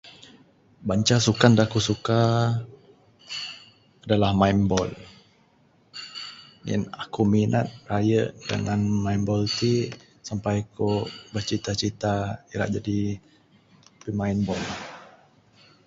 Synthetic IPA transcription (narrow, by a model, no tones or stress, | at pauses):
baɲt͡ʃasukandakusuka | adalahmainbɔl | ŋɪ̰nakuminʔat̪̚rajəʔdə̰ŋanmainbɔlt̪i | sampajkobət͡ʃit̪at͡ʃit̪aiɾa̰ʔd͡ʒadi | pimainbɔl